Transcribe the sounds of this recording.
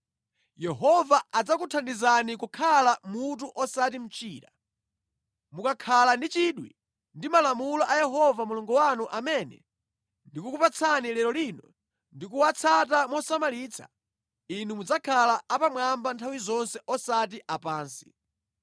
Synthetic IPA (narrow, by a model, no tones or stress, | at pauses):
jɛɦɔvaad͡zakutʰandizanikukʰalamut̬uʔɔsat̬im̩t͡ʃiːɾa̰ | mukakʰalandit͡ʃiɗwḭ | ndimalamulɔʔajɛɦɔvamuluŋɡɔwanuʔamɛnɛ̰ | ndikukupat͡sʰanilɛɾɔlinɔ | ndikuwat͡sʰat̬amɔsamaliːt͡sʰḁ̰ | inumud͡zakʰalaapamwambantʰawizɔnsɛɔsat̬iʔapaːnsi̥̰